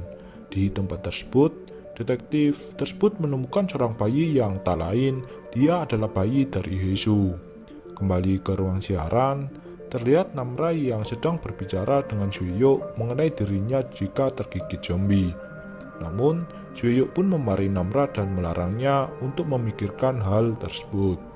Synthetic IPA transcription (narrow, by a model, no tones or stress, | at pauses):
d̥it̪əmpat̪ːərsə̥b̥ʊt̪̚ | d̥et̪ɛk̚t̪ɪft̪ərsə̥b̥ʊt̪̚mənumukansoɾaŋb̥ajijaŋt̪ala̰ɪn | d̥iaːdalahb̥ajid̥aɾʔḭɦesu | kəmbalikəɾuaŋsiaɾʔan | t̪ərliɦat̪̚namɾajaŋsəd̥aŋb̥ərb̥it͡ʃaɾadəŋand͡ʒ̥uwejoʔməŋənaidiɾiɲad͡ʒikat̪ərɡ̥ikɪt̪̚d͡ʒ̥ɔmbi | namʊn | d͡ʒ̥uejoʔpʊnməmaɾinamɾad̥anməlaɾaŋɲaunt̪ʊk̚məmikɪrkanɦalt̪ərsə̥bʊt̪̚